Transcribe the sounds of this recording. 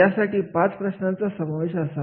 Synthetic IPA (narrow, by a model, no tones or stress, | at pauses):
asaʈiːpãt͡spɾəɕnãnt͡sasəmaʋeɕasa